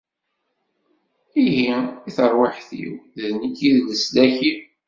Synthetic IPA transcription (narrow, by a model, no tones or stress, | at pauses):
iɦiiθəɾˤwaħθḭwððnikːiðʝəslæçi